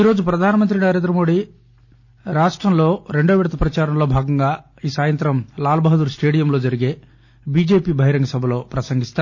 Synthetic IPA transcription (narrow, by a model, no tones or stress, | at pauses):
iːɾo̞ːd͡ʒupɾɐd̪ʱaːnɐmɐnt̪̬ɾinɐɾe̞ːnd̪ɾɐmo̞ːɽi | ɾaːʂʈɾɐmlo̞ːɾe̞ɳɖoːʋɛɽt̪ʰɐpɾɐt͡ʃaːɾɐmlo̞ːbʱaːɡɐŋɡaː | iːsaːjɐnt̪ɾɐmlaːlɐbʱɐɦɐd̪uːɾsʈe̞ːɽijɐmlo̞ːd͡ʒɐɾiɡe̞ː | biːd͡ʒe̞ːpiːbʱɐɦjɾɐŋɡɐsɐbʱɐlo̞ːpɾɐsɐŋɡist̪a